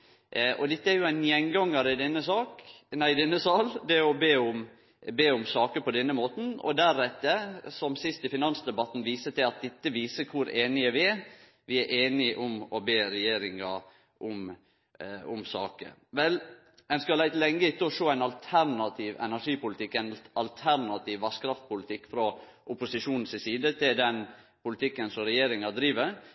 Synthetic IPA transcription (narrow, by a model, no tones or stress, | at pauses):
ʔʔɔd̪ɪt̪ːəæɾjʊæɪnjɛŋɡɑŋːəɾɪd̪ɛnːəsɑːknæɪd̪ɛnːəsɑld̪ɛɾɔbeːʊm | beːʊmsɑːkəɾpɔd̪ɛnːəmoːt̪n̩ɔ̰d̪æɾɛt̪ːəsɔmsɪst̪ɪfɪnɑnsd̪ɛbɑt̪n̩ʋiːsət̪ɪlɑt̪̚d̪ɛt̪ːəʋiːsəkʰʊɾeːnɪəʋɪɛ | ʋɪæɾʔeːnɪʔʊmɔbeːɾɛjeːɾɪŋɑ | ʔʊm | ʊmsɑːkə̰ʋɛl | ɛnskɑlæɪt̪lɛŋːəɪt̪ːəɔʂoːæɪnɑlt̪ʰæɾnɑt̪ʰiːʋɛ̰næʂiːpʊlɪt̪ʰɪkːænɑlt̪ʰæɾnɑt̪ʰiːʋːɑʂkɾɑft̪̚pʰʊlɪt̪ʰɪkːfɾɔʔʊpʊsɪʂuːnn̩sɪsiːd̪ət̪ʰɪld̪ɛn | pʊlɪt̪ʰɪkːənsɔmɾɛjeːɾɪŋɑd̪ɾiːʋəɾ